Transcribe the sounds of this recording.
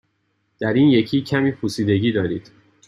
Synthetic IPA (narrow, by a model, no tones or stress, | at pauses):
d̪̥æɾiːnje̞cʰiːcʰæmiːpʰusiːd̪e̞ɟiːd̪ɒːɾiːd̪̥